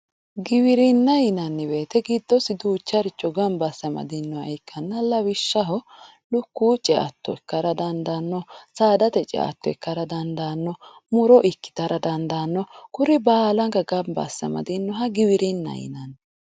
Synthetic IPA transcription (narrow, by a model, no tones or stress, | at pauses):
ɡɪwɪɾɪnːɐjɪnɐnːɪbe̞ːt̪ɛɡɪd̪ːɔsɪd̪uːt͡ʃːɐɾɪt͡ʃːɔɡɐmbɐsːɐmɐ̰d̪ɪnːɔɐ̰jɪkʰːɐnːɐlɐwɪʃːɐɦɔ | lʊkːuːt͡ʃʼɛʔɐ̰t̪ːɔɛkːɐɾɐd̪ɐnd̪aːnːɔsaːd̪ɐt̪ɛt͡ʃʼɛ̰ɐ̰t̪ːɔɛkːɐɾɐd̪ɐnd̪aːnːɔmʊɾɔʔɪkːɪ̥t̪ɐɾɐd̪ɐnd̪anːɔkʊɾɪbaːlɐŋɡɐɡɐmbɐ̰sːɐ̰mɐ̰d̪ɪnːɔɦɐɡɪwɪɾɪnːɐ̰jɪ̰nɐn